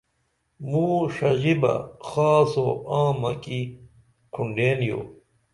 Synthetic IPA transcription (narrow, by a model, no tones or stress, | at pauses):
muːʂɐʑibɐ̰xaːso̰ãːmɐki | kʰuɳɖeːnjo̰ː